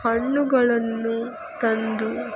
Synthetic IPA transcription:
hɐɳːuɡɐɭɐnːu | t̪ɐnd̪u

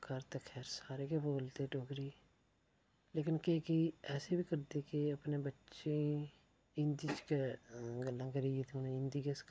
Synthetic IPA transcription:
kəɾt̪ekʰɛːɾsaːɾeːkeboːlt̪eːʈoːɡɾiː | leːkɪnkekiɛːseːbʱiːkəɾd̪eːkɪəpneːbətːʃẽː | ɪ̃nd̪iːt͡ʃkeɡəlːãːkəɾieːt̪ʰeʊnẽɪ̃nd̪iːɡes

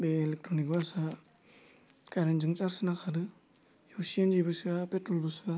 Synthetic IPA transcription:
beːlek̚tɾonikbasa | kajɾenzɯŋt͡ʃaɾsɯnakʰaɾɯ | jesiend͡ʒibɯsapetɾolbusa

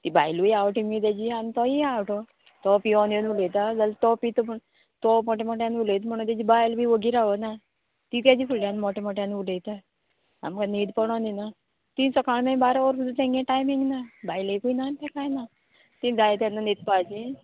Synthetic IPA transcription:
t̪ibajlʋijawʈimit̪ad͡ʑianit̪ɔiawʈɔ | t̪ɔpiɔnonulejt̪ad͡zalt̪ɔpit̪ɔpəɳ | t̪ɔmɔʈemɔʈjanʋulet̪m̤əɽ̃ũt̪jad͡ʑibajlbiʋəɡiːɾaʋəna | t̪it̪jad͡ʑipʰuɾljãnmɔʈemɔʈjãnʋulejt̪a | a̰mkanid̪pəɽ̃ɔnina | t̪insɔkaɭnabaɾaʋəɾsud̪t̪ẽŋɡẽʈajmĩŋɡnabajlekuinant̪akajna | t̪ĩd͡zajt̪janːanid̪̚pat͡ɕi

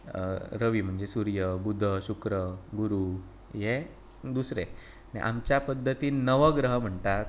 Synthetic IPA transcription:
ɾəʋiːm̤əɳd͡zesuɾjəbud̪ʱːəɕukɾəɡuɾu | je | d̪usɾe | ɽḭʔa̰mt͡ɕjapəd̪ʱːət̪iːnəʋəɡɾəɦəm̤əɳt̪at̪

